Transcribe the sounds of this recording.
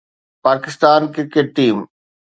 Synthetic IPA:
paːkɪst̪aːnkɪkeʈ̚ʈiːm

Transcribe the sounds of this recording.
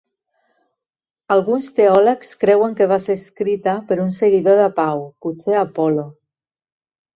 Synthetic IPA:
alɣunst̪eɔləkskɾɛwəŋkeβ̞aseɾskɾit̪apəɾunseɣiðoðapawput͡seapɔlo

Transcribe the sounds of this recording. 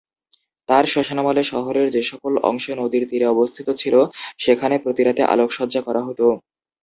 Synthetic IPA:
t̪aɾʃɔʃanamaleʃɔɦoɾeɾd͡ʑeʃɔkolɔ̰ŋʃonod̪iɾt̪iɾeɔbost̪ʰit̪ot͡ɕʰiloʃekʰanepɾot̪iɾat̪eʔa̰lokʃɔdd͡ʑakɔɾaɦot̪o

